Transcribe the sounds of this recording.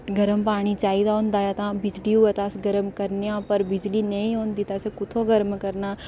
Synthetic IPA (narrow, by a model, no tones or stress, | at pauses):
ɡəɾəmpaːɽ̃it͡ʃaːid̪aɦõnd̪aːjat̪ãːbɪd͡ʒliːuːət̪aːsɡəɾəmkəɾnejãːpəɾbɪd͡ʒliːnəĩɦoːnd̪iːt̪asekʊt̪ʰõːɡəɾəmkəɾnaː